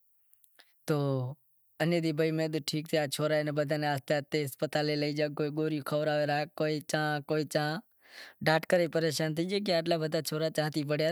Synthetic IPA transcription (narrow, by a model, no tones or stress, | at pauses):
t̪oː | ənjed̪iːbʱəimẽːd̪uʈʰiːk̚t̪ʰejaːt͡ʃʰoːɾaːenebəd̪ʱaneaːst̪aːt̪eːspət̪aːleləid͡ʒaːk̚koːiɡoːɾijukʰəʋɾaːʋeɾaːkkːoːit͡ʃãːkoːit͡ʃãː | ɖaːʈkəɾepəɾeːʃaːnt̪ʰəːd͡ʒeːk̬aːʈ̬laːbəd̪ʱaːt͡ʃʰoːɾaːt͡ʃãːt̪ipəɽja